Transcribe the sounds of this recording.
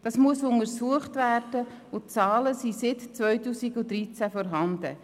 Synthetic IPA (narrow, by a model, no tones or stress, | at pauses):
d̥ɑsmuəsʊŋəɾsuəχtværd̥ə | ʊt͡sɑːləsisɪtt͡sʋvœʏtuːsiɡʊdɾit͡sæfɔɾɦɑnd̥ə̰